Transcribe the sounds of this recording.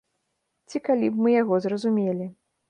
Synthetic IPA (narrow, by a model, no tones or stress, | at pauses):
t͡sʲikalʲibmɨjaɣɔzrɐzumʲelʲi